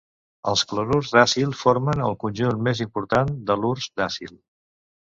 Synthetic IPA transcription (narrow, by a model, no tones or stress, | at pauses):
ə̰lˠskləɾurzðasilˠfoɾmənəlˠkunʲʒunmezimpuɾt̪and̪əlurzd̪asḭlˠ